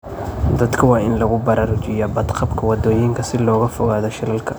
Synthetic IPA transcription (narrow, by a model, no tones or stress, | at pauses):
d̪ɐd̪kʰɐwɑːʔɪnlɐɣʊbɐɾaɾʊt͡ʃɪjɐbɐd̪qʰɐbkʰɐwɑd̪oːjɪŋkʰɐsɪlɔːɣɐfɔɣaːðɔʃɐlɐlkʰɐ